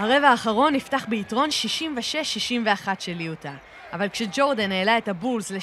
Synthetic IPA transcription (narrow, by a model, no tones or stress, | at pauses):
haʁe̞vaːχaʁo̞nːiftaχbeitʁo̞nʃiʃimveʃe̞ʃːiʃimve̞aχatʃeliutaː | valkʃed͡ʒo̞ʁdaneːlae̞thabulzle